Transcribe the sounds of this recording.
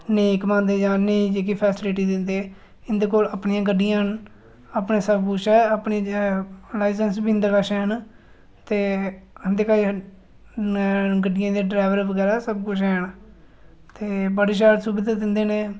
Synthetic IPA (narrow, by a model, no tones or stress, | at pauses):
neːkmãːnd̪eːd͡ʒãːnẽːd͡ʒeːk̬iːpʰɛːsɪlɪʈiːd̪ɪnd̪eː | ɪnd̪eːkoːləpɳiːãːɡəɖːɪjãː | apneːsəbkʊt͡ʃɛːapɳiː | laːɪsənsbind̪akaʃɛːn | t̪eːənd̪eːkaːi | ɡəɖɪjãːd̪eːɖɾaːʋəɾbəɡɛːɾaːsəbkʊt͡ʃʰɛːn | t̪eːbəɽeːʃ̬aːlsubɪd̪ad̪ɪnd̪eːnẽː